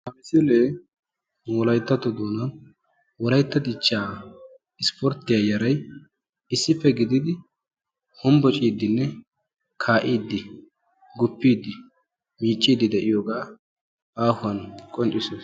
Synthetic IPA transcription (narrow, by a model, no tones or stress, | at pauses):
ɐmɪsɪleː | mːɔlɐjt̪ːɐt̪ːɔd̪oːnɐn | wɔlɐjt̪ːɐd̪ɪt͡ʃːaː | ɪspʰɔɾt̪ɪjaːjɐɾɐj | ɪsːɪfːɛɡɪd̪ɪd̪ɪ | hʊmbɔt͡ʃʼiːd̪ːɪnːɛ | kʰaːʔiːd̪ːɪ | ɡʊpːiːd̪ːɪ | miːt͡ʃʼːiːd̪ɪd̪ɛʔɪjoːɡaː | aːhʊɐnkʼɔnt͡ʃʼːɪsoːs